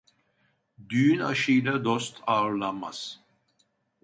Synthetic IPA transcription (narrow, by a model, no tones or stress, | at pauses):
d̪yːyna̰ʃɯjlad̪ost̪ʰaːɯɾlˠanma̰z̥